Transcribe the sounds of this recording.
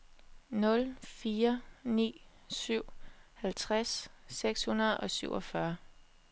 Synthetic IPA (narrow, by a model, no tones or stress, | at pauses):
nɔ̽lfiːɐnḭː | syʊ̰hælt͡sʰʁasːeɡ̥shunɐð̩ˠʔɒ̽syʊ̰ɒ̽fɶɐ